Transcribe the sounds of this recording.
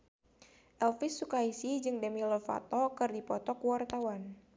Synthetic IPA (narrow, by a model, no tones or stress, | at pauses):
ʔɛlfɪsːukaisid͡ʒɨŋdamilɔfa̰t̪ɔkɨrdipɔt̪ɔkuwart̪awan